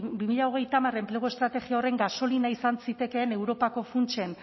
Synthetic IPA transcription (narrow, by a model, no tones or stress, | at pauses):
bimiʎao̞ɣ̞e̞jt̪amare̞mple̞ɣost̪ɾat̪e̞ɣiao̞re̞ŋɡaso̞linaisansit̪e̞ke̞ːne̞wɾo̞pako̞funt͡ʃe̞n